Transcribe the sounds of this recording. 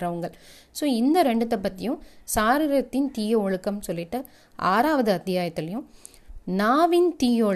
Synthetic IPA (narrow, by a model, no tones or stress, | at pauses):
ɾɐʋɯŋɡɐɭ | soːɪnd̪ɐɾɛɳɖɯt̪ːɐp̬ːɐt̪ːɪjʊ̃saːɾɪɾɐt̪ːɪnt̪iːjɐɔɻɯkːɐmsɔlːɪʈːɯ | ʔa̰ːɾaːʋɐðɯɐt̪ːɪjaːjɐt̪ːɪlɐjʊ̃ | naːʋɪnt̪iːjoː